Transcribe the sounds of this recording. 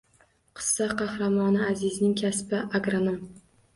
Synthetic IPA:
qʰɨ̥sːɑqʰɑhɾamɒnɪazɪznɪŋkʲʰaspɪʔaɡɾanom

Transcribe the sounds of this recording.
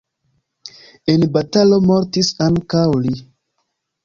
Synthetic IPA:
enbatalo̞moɾtisaŋkawli

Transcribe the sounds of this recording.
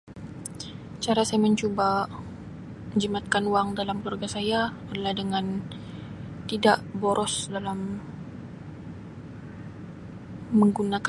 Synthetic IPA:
t͡ʃaɾasajaməɲt͡ʃuba | məɲd͡ʒəmat̪̚kanuwaŋdalamkluarɡasajaadalahdəŋan | t̪idaʔboɾʔɔsdalam | əŋɡunak

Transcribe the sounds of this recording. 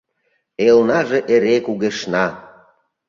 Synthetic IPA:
elnɑʒeʔeɾekuɣeʃnɑ

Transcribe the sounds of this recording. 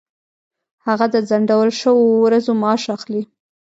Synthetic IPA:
haɣad̪əd͡zaɳɖawəlʃəwowɾazomɑʃaxli

